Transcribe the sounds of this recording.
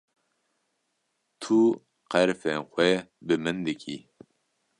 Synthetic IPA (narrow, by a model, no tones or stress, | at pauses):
t̪ʰu | qɛɾfɛnxʷɛbɨmɨnd̪ɨkʲʰi